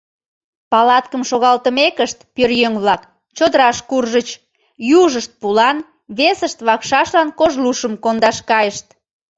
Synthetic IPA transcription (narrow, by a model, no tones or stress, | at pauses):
pɑlɑt̪kəmʃoɣɑlt̪əmekəʃt̪pørjøŋβlɑk | t͡ɕod̪əɾɑʃkurʒət͡ɕ | juʒəʃt̪̚pulɑn | βesəʃt̪βɑkʃɑʃlɑnkoʒluʃəmkond̪ɑʃkɑjəʃt̪